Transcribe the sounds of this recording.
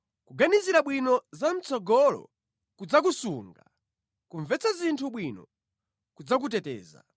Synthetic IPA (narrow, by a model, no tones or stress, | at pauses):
kuɡaniziɾaɓwinɔzam̩t͡sʰɔɡɔlɔ̰ | kud͡zak̬usuːŋɡa | kuɱvɛt͡sazintʰuɓwinɔ̰ | kud͡zak̬utɛtɛ̰ːza̰